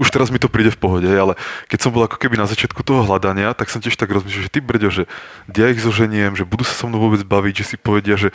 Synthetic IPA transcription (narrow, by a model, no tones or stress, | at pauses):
uʃt̪ɛɾazmit̪ɔpɾiːɟɛfpɔɦɔɟɛɦɛjalɛkɛcsɔmbɔlˠakɔ̥kɛbinazat͡ʃɪat̪kut̪ɔɦɔɦlad̪aɲɪat̪aksɔmcɪɛʃt̪aɡɾɔzmiʃlaʒɛt̪ibr̩ɟɔʒɛ | djaiɣzɔʒɛɲɪɛmʒɛbud̪uːsḁsɔmnɔʊɔbɛd͡zbaʋiɟʒɛsipɔʋɛɟɪaʒɛ